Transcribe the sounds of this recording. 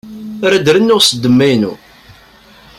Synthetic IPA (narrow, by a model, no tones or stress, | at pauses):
ɾæd̪ɾənːʊʁsəd̪ːəmːæjnṵ